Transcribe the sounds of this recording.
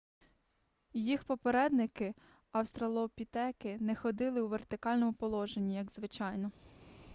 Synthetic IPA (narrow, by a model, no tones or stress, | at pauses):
jixpɔpeɾɛd̪nɪkɪ | ɐwst̪ɾɐlˠɔpʲit̪ɛkɪnɛxɔd̪ɪlˠɪwʋert̪ɪkɑlʲnɔmʊpɔlˠɔʒenʲːijɐɡzʋɪt͡ʃɑjnɔ